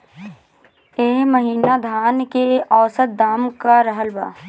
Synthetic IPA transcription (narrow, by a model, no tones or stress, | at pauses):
eːməɦiːnad̪ʱaːnkeɔːsət̪̚d̪aːmkaɾəɦəlba̰ː